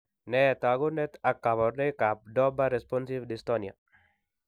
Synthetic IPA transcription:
nɛt̪aɡunɛt̪akːabɔɾdekap̚dɔbaɾɛspɔnsivdist̪onia̰

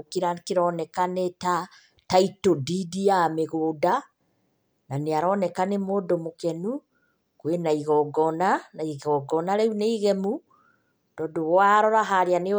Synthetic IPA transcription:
kiɾakeɾɔnɛkaneta | taitodidiameɣoːda | naneaɾɔnɛkanemoːdomokɛnu | kwenaiɣɔɡɔnanaiɣɔɡɔnaɾɛuneiɣɛmu | d̥ɔːdowwaɾɔɾaɦaɾeane

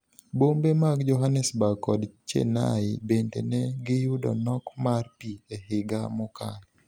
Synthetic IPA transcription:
bombemaɡd͡ʒɔɦanɛsbakɔdt͡ʃḛna̰ɪbendḛnɛɡɪjʊdɔ̰nɔkmarpiehɪɡamɔkan

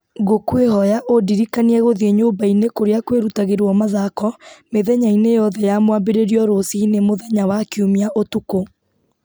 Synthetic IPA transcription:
ɣokweɦɔjaʔodiɾikaniɛɣoðeɲobainekoɾeakweɾutaɣeɾwɔmaðakɔmeðɛɲainejɔðɛjamwabeɾeɾiɔɾosinemoðɛɲawakiumiaʔotuko

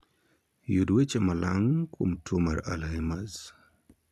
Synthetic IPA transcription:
judwet͡ʃemalʔaŋkʰo̰mtwomaɾa̰lhemaz

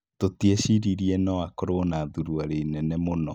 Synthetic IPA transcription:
totiɛʃiɾiɾiɛnɔakɔɾonaðuɾuaɾenɛnɛmonɔ

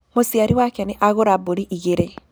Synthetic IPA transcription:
mosiaɾiwakɛneʔaɣoɾaboɾiʔiɣeɾe

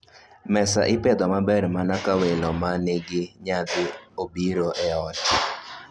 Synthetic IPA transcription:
mɛsaʔɪped̪ɔmabɛrmanakawelomanɪɡɪɲad̪ɪobiɾoʔɛɔt͡ʃ

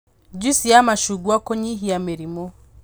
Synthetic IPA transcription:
d͡ʒusiamaʃuɡwakɔɲiɦijameɾimɔ

